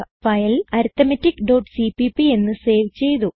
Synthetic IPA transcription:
fɐjɐlɐɾut̪ːɐmɐtːikːɖoːʈsipipːie̞nːɨse̞ːʋt͡ɕe̞jt̪u

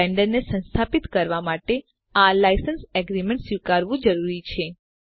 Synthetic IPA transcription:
ɛɳɖəɾnesə̃nst̪ʰapit̪kəɾʋamaʈe | alajsənsɛɡɾimẽɳʈsjukaɾʋũd͡ʒəɾuɾit͡ʃʰe

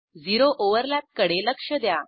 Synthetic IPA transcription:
d͡ziɾoʔoʋəɾlat̪̚kəɽeləkʂəd̪ja

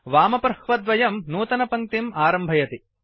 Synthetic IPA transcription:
ʋaːmɐpɾɐhʋɐd̪ʋɐjɐmnuːt̪ɐnɐpɐŋt̪imaːɾɐmbʱɐjɐt̪i

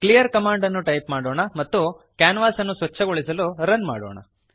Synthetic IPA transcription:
klijɐɾkɐmaːɳɖɐnːuʈɐjpmaːɽoːɳɐmɐt̪ːu | kaːnʋaːsɐnːusʋɐt͡ʃːɐɡoɭisɐluɾɐnma̰ːɽo̰ːɳɐ̰

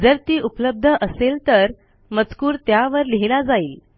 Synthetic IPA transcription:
d͡zəɾt̪iːupləb̚d̪ʱəʔəselt̪əɾ | mət͡skuːɾt̪jaʋəɾliɦiɽ̃ad͡zaiːl

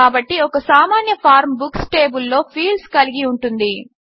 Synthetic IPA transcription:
aːbɐʈːiɔkɐsaːmaːnjɐpʰaːɾmbuksʈe̞ːbulːo̞ːpʰiːlskɐliɡiuɳʈund̪i

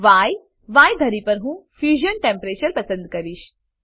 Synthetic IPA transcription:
ʋaːj | ʋaːjd̪ʱɐɾipəɾɦũːfjuːʑənʈẽmpɾeːt͡ɕəɾpɐsə̃nd̪kɐɾiːɕ

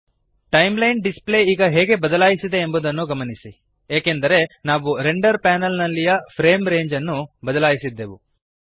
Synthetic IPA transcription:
ʈɐjmlɐjɳɖisple̞iːɡɐɦɛːɡe̞bɐd̪ɐlaːjisid̪e̞ːmbud̪ɐnːuɡɐmɐnisi | eːkend̪ɐɾe̞naːʋuɾeɳɖɐɾpaːnɐlnɐlːijɐpʰɾe̞ːmɾe̞ːɲd͡ʒɐnːubɐd̪ɐlaːjisid̪ːeːʋu

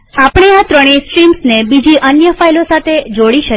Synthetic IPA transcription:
apɽ̃eat̪ɾəɽ̃isʈɾimsnebid͡ʒiʔənjəfajlosat̪ʰed͡ʒoɽiʃə

